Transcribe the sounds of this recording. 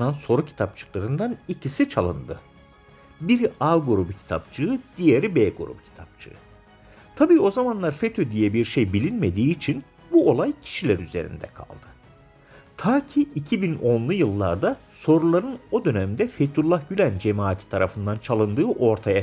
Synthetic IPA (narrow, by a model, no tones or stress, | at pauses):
nanso̞ɾucʰi̥t̪ʰap̚t͡ʃʰɯ̥klˠaɾɯnd̪anicʰisit͡ʃʰalˠɯ̰nd̪ɯ | biɾaɡoɾubcʰi̥t̪ʰa̰p̚t͡ʃʰɯɯd̪̥ijeɾibeɡoɾṵbcʰi̥t̪ʰap̚t͡ʃʰɯ̰ɯ | t̪ʰabiːo̞zamanlˠaɾfet̪ʰød̪ijɛbiɾʃejbilʲinme̞d̪iːt͡ʃʰin | buo̞lˠajcʰi̥ʃilʲæɾyzeɾḭnd̪ɛ̰kʰa̰lˠd̪̥ɯ | t̪ʰaːcʰiːcʰibino̞nlˠujɯlˠːa̰ɾd̪aso̞ɾulˠaɾɯno̞d̪ø̞næmd̪ɛfet̪ʰulˠːahɟylʲænd͡ʒemaːt̪ʰi̥t̪ʰaɾafɯnd̪ant͡ʃʰalˠɯnd̪ɯːʔo̞ɾt̪ʰaja